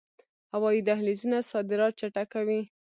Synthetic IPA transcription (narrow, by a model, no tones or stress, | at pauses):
hawɑid̪aɦlizunasɑd̪ɪɾɑt̪̚t͡ʃaʈakawi